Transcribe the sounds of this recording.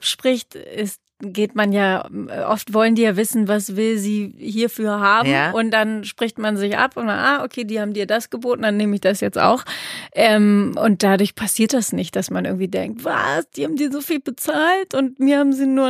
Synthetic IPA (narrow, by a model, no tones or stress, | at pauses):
pʃpʁ̥ɪçtʔɪst | ɡ̥eːtmanjaːʔɔ̰ftv̥ɔləndiːjaːvɪsn̩vasv̥ɪlziːhiːɐfyːɐɦaːbm̩ʊnt̚d̥anʃpʁ̥ɪçtmanzɪçʔa̰pʊnma̰ʔaʔokʰeːdiːhaːbm̩diːɐdasɡ̥əboːtn̩danːeːməɪçd̥asjɛt͡sta̰ʊxʔɛːmʔʊ̰nt̚d̥adʊɐçpʰasiːɐt̚d̥asnɪçt̚d̥asmanʔɪɐɡŋ̩tv̥iːdɛŋk̚tv̥a̰sd̥iːhaːbm̩diːɐzofiːlbət͡saːltʊntmiɐhaːbm̩ziːnuːɐ